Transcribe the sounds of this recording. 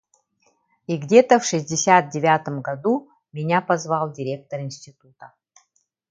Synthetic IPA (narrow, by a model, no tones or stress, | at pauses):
iɡdʲet̪əfʂɨzʲdʲɪsʲat̪̚dʲɪvʲat̪əmɡɐd̪u | mʲɪnʲapɐzvɑlˠdʲɪɾʲe̞k̚t̪oɾɪnsʲtʲɪt̪ut̪ə